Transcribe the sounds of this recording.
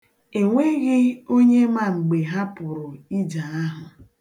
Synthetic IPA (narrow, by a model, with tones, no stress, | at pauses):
e˨ŋʷe˦ɣɪ˦o˦ɲe˦ma˨ŋ͡m̩˨ɡ͡be˨ɦa˦pʊ˨ɾʊ˨i˦d͡ʒa˨a˦ɦʊ˨